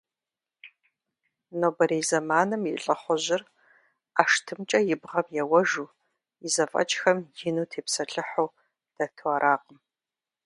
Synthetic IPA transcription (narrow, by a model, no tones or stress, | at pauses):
noːbɐɾeːzɐmaːnɨmiɬʼɐχʷɔʑɪr | aːʂtʰɨmt͡ʃʼɐjɪbʁɐmjɛwɐʒuː | ɪzɐfʼɐ̰t͡ʃʼxɐmjɪnuːtʰeːpsɐɬʼɨħow | d̥ɐtʰɨɐɾʔaːqəm